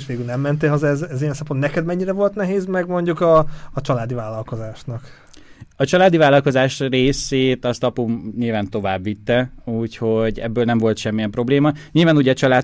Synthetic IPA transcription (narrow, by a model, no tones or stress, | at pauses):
ʃʋeːɡylnɛmːɛnt̪eːlɦɒzɛzɛzijɛnsɛmpont̪nɛkɛd̪mɛɲːiɾɛvo̞lt̪nɛɦeːzmɛɡmo̞ɲɟukɒːt͡ʃɒlaːd̪ivaːlːɒlko̞zaːʃnɒk | ɒt͡ʃɒlaːd̪ivaːlːɒlko̞zaːʃreːseːt̪ɒst̪ɒpumɲilvaːnt̪o̞vaːbːit̪ːɛuːcho̞ɟɛ̰bːøːlnɛmvo̞lt̪ʃɛmːijɛmpro̞bleːmɒɲilvaːnuːɟɛt͡ʃɒlaː